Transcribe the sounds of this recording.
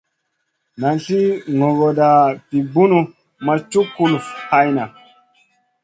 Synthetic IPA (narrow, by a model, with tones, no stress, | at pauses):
na˨nɬi˦ŋo˨ɡo˨da˨pi˨bu˦nu˨ | ma˨t͡ʃu˦kːu˦lfha˦jna˨